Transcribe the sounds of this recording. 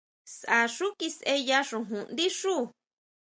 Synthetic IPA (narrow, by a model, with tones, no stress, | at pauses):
sa˨ʂu˦ki˧sʔe˦˧ja˧ʂũ˨ɦũ˨nd̪i˦ʂuː˦˨